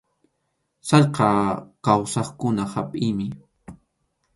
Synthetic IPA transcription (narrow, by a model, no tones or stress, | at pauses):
sɑʎqɑkawsɑχkʊnahapʼɪjmɪ